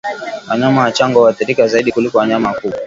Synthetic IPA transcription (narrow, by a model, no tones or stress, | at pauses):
waɲamawat͡ʃaŋɡɔwatɛɾikazaiɗikulikɔwaɲamakuɓa